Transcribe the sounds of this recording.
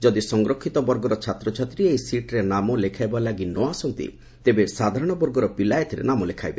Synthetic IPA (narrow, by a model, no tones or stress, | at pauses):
d͡ʒɔd̪isɔŋɾokʰːit̪ɔbɔɾɡɔɾɔt͡ʃʰat̪ɾɔt͡ʃʰat̪ɾiejsiʈɾenamɔlekʰajbalaɡinɔasɔnt̪ḭ | t̪ebesad̪ʱaɾɔɽ̃ɔbɔɾɡɔɾɔpilajt̪ʰiɾḛnamɔlekʰajbe